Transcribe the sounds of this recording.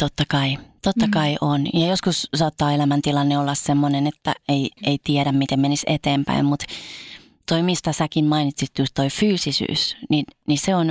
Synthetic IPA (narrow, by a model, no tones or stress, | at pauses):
t̪ot̪ːɑkɑit̪ot̪ːɑkɑiʔonjɑjoskussɑːt̪ːɑːelæmænt̪ilɑnːeolːɑssemːonenet̪ːæ̰eieit̪iɛɾæmmit̪emmenisḛt̪eːmpæ̰immut̪ | t̪oimist̪ɑsækimmɑinit̪sit̪ːjust̪toifyːsisy̰ːsninniseon